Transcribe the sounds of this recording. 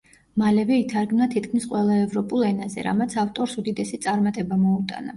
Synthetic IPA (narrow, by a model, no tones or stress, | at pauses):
malɛvɛit̪ʰaɾɡmnat̪ʰit̪ʰkʰmisqʼwɛlˠaɛvɾɔpʼulˠɛnazɛ̰ɾa̰mat̪sʰaft̪ʼɔɾsud̪id̪ɛsit̪sʼaɾmat̪ʼɛbamɔut̪ʼa̰na